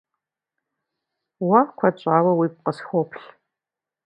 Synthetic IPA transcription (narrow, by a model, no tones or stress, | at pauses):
wɐkʷʰɐt͡ʃʼaːwɐwiːp̚qəsxʷopʰɬ